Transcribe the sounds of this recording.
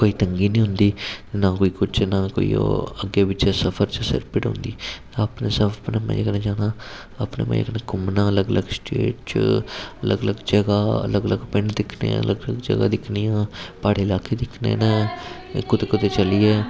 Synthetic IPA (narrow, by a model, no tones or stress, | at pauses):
koːiːt̪əŋɡiːnĩːɦʊnd̪iːnãːkoːiːkʊt͡ʃnaːko̰ːḭo̰əɡeːbɪt͡ʃaːsəpʰəɾt͡ʃsɪ̰ɾpɪʈɦʊ̰̃nd̪iː | əpneːsəbpnẽːmɛ̰̃əknẽːd͡ʒaːnãː | əpnḛːmɛ̰̃d͡ʒə̰knɛ̃ːkʊmnãːələɡələɡsʈḛːʈt͡ʃələɡələɡd͡ʒəɡaːə̰ləɡələɡpɪɳɖd̪ɪkʰnḛ̃ːələɡləɡd͡ʒə̰ɡa̰ːd̪ɪkʰnijãːpaːɽeːɪlaːkeːd̪ɪkʰnḛːnɛ̃ː | kʊt̪eːkʊt̪eːt͡ʃəliːɛː